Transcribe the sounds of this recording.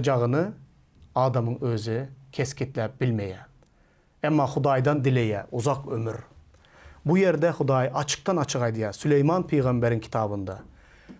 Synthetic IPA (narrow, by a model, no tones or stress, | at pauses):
d͡ʒɑʁənɨ | ɑːd̪ɑmɨŋøzɪkʲʰeskʲʰit̪lɛp̚b̥ɪlmɛjɛ | ɛmːɑχʊd̪ɑjd̪ɑnd̪ɪlejɛʔuzɑqømyɾ | bujeɾd̪ɛχʊd̪ɑjʔɑt͡ʃʰɨ̥q̚t̪ɑnɑt͡ʃʰɨʁɑjd̪ɨjɑsylejmɑnpʰejʁɑmbæɾɪnkʰi̥t̪ʰɑːbɯnd̪ɑ